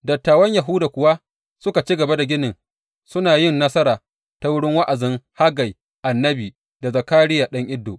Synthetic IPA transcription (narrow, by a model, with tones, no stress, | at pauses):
dɐ˨tːaː˨wɐ˦ɲja˨ɦʊː˦daː˨kʷʊ˨wa˦ | sʊ˦ka˨t͡ʃi˦ɡɐ˨ba˦da˨ɡʲɪ˦nɪ˨ŋ | sʊ˦naː˨jɪ˦˨nːɐ˦sɐ˦ɾaː˨ | ta˦wʊ˦ɽɪ˦ŋwa˦ʔa˨zɪ˦ŋha˦ɡa˨j | ʔa˨nːɐ˦biː˨ | da˨zɐ˨kaː˦ɽɪ˦jaː˨ɗɐ˦ŋʔɪ˦dːoː˨ʔ